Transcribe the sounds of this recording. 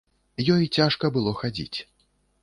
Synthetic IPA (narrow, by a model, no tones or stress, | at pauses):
jɔjt͡sʲaʂkɐbɨlˠɔxad͡zʲḭt͡sʲ